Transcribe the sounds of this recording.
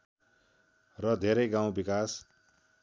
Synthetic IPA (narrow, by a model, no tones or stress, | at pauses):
rʌd̪ʱeɾʌjɡaw̃bikas